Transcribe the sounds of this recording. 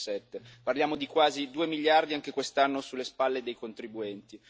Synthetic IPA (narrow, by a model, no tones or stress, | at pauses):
sɛt̪ːeparljaːmod̪ikwaːzid̪uːemiʎːjard̪iaŋk̟ekwest̪anːosulːespalːed̪ejkont̪ɾibuɛnt̪i